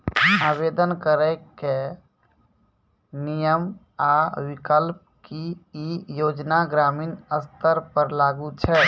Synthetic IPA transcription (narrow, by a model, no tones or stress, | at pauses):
aːbeːd̪ənkəɾɛke | nijəm | awɪkəlp̚kiijoːd͡ʒnaɡɾaːmiːnəst̪əɾpəɾlaːɡut͡ʃʰɛ